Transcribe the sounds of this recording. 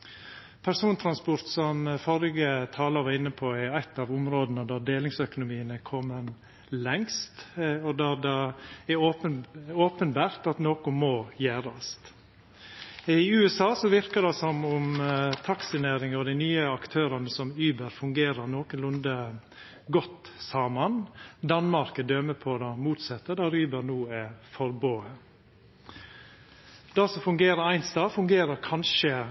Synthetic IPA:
pʰæɾsuːnt̪ʰɾɑnspʊɾt̪sɔmfɔɾɪɡət̪ʰɑːləɾʋɑɾɪnːəpʰɔɛæɪt̪ːɑːʋʊmɾoːd̪ənəd̪æɾd̪eːlɪŋsœkʊnʊmiːənəkʰɔmːən | lɛŋst̪ɔd̪æd̪ɑɛoːpəoːpənbæːɾt̪ɑt̪noːkʊmɔːjæːɾɑst̪ | ɪʉːɛsɑːsɔʋɪɾkəɾd̪ɑsɔmʊmt̪ʰɑksɪnæːɾɪŋəɾɔd̪æɪnyːəɑkt̪ʰøːɾɑnəsɔmyːbəɾfʉŋɡeːɾəɾnoːkənlʊnd̪ə | ɡɔt̪ːsɑːmənd̪ɑnmɑɾkəd̪øːməpʰɔd̪ɑmuːt̪sɛt̪ːəɖ̪ɑɾyːbəɾnuːɛfɔɾboːə | d̪̥ɑsɔfʉŋɡeːɾəɾæɪnst̪ɑːfʉŋɡeːɾəɾkʰɑnʃə

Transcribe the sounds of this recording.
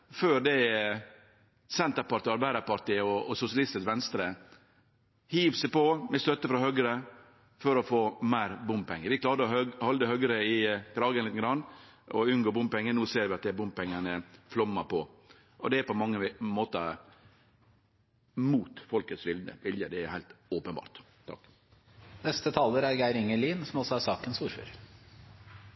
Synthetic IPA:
føːɾd̪ɛ | sɛnt̪əɾpɑʈ̪ːɔɑɾbæɪd̪ɑɾpɑɾʈ̪iːəɔɔsʊsɪɑlɪst̪əsʋɛnst̪ɾə | hiːʋsəpɔmɛst̪œt̪ːəfɾɑhœɡɾə | fɔɾɔfoːmæɪɾbʊmpɛŋːəɾʋɪkʰlɑːɾd̪əɔhɔld̪əhœɡəɾəɪkʰɾɑːɡənlɪt̪əɡɾɑnːʔɔʉnɡoːbʊmpɛŋːənuːseːɾʋɪɑt̪̚d̪æbʊmpɛŋːənəflɔmːəpʰɔ | ʔɔ̰d̪ɛæɾpɔmɑŋːəmoːt̪ə | muːt̪fɔlkət̪sʋɪld̪ə̰ʋɪljəd̪ɛæhæɪlt̪oːpənbɑ̰ːɾt̪ | t̪ʰɑ̰kː | nɛst̪ət̪ʰɑːləɾæɾɡæɪɾɪŋːəliːnsɔmɔsɔæɾsɑːkənsuːɾfø̰ːɾ

